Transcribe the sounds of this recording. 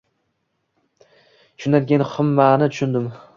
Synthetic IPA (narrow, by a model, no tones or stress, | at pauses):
ʃʰʊnaɡʲenχʊmːanɪt̪ʰʊ̥ʃʊnd̪ɪm